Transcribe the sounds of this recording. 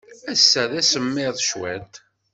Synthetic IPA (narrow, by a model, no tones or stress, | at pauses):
æsːæðæsəmːɪðˤʃwæ̰t̪